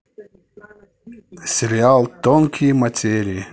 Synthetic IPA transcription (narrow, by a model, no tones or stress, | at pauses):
sʲɪɾʲɪalˠt̪onkʲʰimɐtʲeɾʲɪj